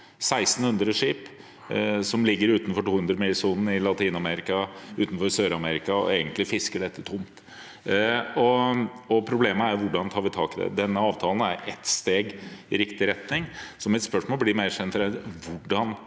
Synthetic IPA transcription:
sæɪst̪n̩hʉnd̪ɾəʂiːp | sɔmlɪɡːəɾʉːt̪nfɔʈuːhʉnd̪ɾəmɪlsuːnn̩ɪlɑt̪ʰiːnɑmɛɾɪkɑʉːt̪n̩fɔɾsøːɾɑmɛɾɪkɑɔ̰eːɡənt̪lɪfɪskəɖɛt̪ːət̪ʰʊmt̪ | ɔ | ɔpʰɾʊbleːməæɾjʋʊɖɑnt̪ʰɑːɾʋɪt̪ʰɑ̰ːkɪd̪ɛ̰d̪ɛnːəɑːʋt̪ʰɑːln̩æɾɛ̰t̪st̪eːɡɪɾɪkt̪ɪɾɛt̪nɪŋsɔmɪt̪spœʂmoːlblɪmeɾʂɛnt̪ɾɛlʋʊɖɑn

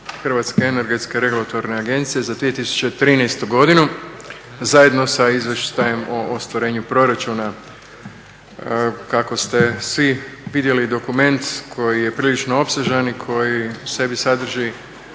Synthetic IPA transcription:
xr̩ʋat̪ske̞ene̞ɾɡe̞t̪ske̞ɾe̞ɡulat̪o̞ɾne̞aɡe̞nt̪sije̞zad̪ʋije̞t̪isu̥t͡ɕe̞t̪ɾinɛjst̪uɡo̞d̪inu | zajed̪no̞saizʋje̞ʃt̪aje̞moʔost̪ʋaɾe̞ːɲupɾo̞ɾat͡ʃuna | kako̞st̪e̞sʋiʋid̪je̞lid̪o̞kume̞nt̪kʰo̞jije̞pɾiːlit͡ʃnoo̞pseʒanikʰo̞jise̞bisad̪r̩ʒi

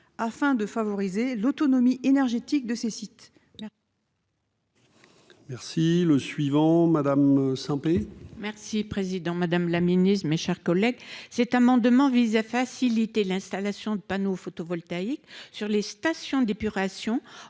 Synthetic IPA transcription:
afɛ̃d̪əfavɔʁizelot̪ɔnɔmiʔenɛʁʒet̪ik̚d̪əsesit̪ | mɛʁsiləsɥivɑ̃mad̪amsɛ̃pemɛʁsipχezid̪ɑ̃mad̪amlaminist̪meʃɛʁkɔlɛɡsɛt̪amɑ̃d̪mɑ̃vizafasilit̪elɛ̃st̪alasjɔ̃d̪əpanofot̪ovɔlt̪aiksyʁlest̪asjɔ̃d̪epyʁasjɔ̃

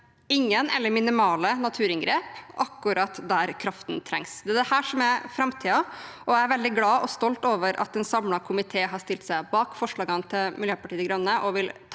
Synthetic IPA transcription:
ɪŋːənɛ̰lːəɾmɪnɪmɑːlənɑt̪ʰʉːɾɪŋɡɾeːpɑkːʉɾɑt̪d̪æɾkʰɾɑft̪nt̪ʰɾɛ̰ŋsd̪ɛæd̪ɛhæːʂɔmæfɾɑmt̪ʰiːɑʔɔæɪæɾʋɛld̪ɪɡlɑːʔɔst̪ɔlt̪oːʋəɾʔɑ̰t̪ɛnsɑmlɑkʰʊmɪt̪ʰeːɦɑʂt̪ɪlt̪sæɪbɑːkfɔʂɭɑːɡɑnt̪ʰɪlmɪljøːpɑʈiːd̪ɪɡɾœnːəʔɔʋɪlt̪ʰ

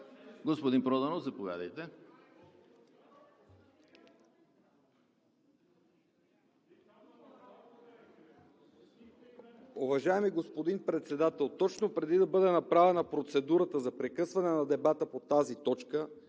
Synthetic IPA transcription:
ɡospod̪inpɾɔd̪ɐnozɐpovʲja̰d̪əjt̪ɛ | uvɐʒaɛmiɡospod̪inpɾɛt̪sɛd̪at̪ɛlˠt̪ɔt͡ʃnopɾɛd̪id̪ɐbɤd̪ɛnɐpɾavɛnɐpɾot̪sɛd̪uɾət̪əzɐpɾɛkɤsvɐnɛnɐd̪ɛbat̪əpot̪azit̪ɔt͡ʃkə

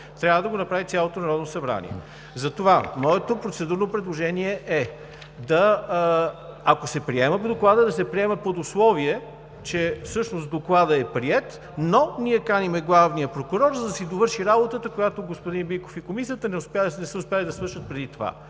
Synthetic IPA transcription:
t̪ɾʲavəd̪ɐɡonɐpɾavit̪sʲjalˠot̪onɐɾɔd̪nosɐbɾa̰nʲḭɛ̰ | zɐt̪ovamɔɛt̪opɾot̪sɛd̪uɾnopɾɛd̪lˠoʒɛniɛʔɛ | d̪ɐ | akosɛpɾiɛmɐpod̪oklˠad̪əd̪ɐsɛpɾiɛmɐpod̪ʊslˠɔviɛ | t͡ʃɛfsɤʃnost̪d̪oklˠad̪əɛpɾiɛt̪ | noniɛkanimɛɡlˠavnijəpɾokuɾɔɾzɐd̪ɐsid̪ovɤɾʃiɾabot̪ət̪əkojat̪oɡospʊd̪inbiko̥fikomisiət̪ənɛʊspʲanɛsəʊspjalid̪ɐsvɤɾʃət̪̚pɾɛd̪it̪ova̰

